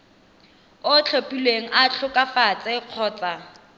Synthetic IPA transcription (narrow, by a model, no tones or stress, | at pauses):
ʊt͡ɬʰopʼilweŋ̩at͡ɬʰʊkʼafat͡sʼɪq͡χʰɔːt͡sʼa